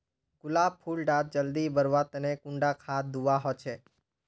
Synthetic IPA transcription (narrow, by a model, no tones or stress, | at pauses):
ɡ̥ulab̚pʰulɖat̪̚d͡ʒəld̪ibəɾʋat̪ənekũɳɖakʰad̪uʋaɦot͡ʃʰe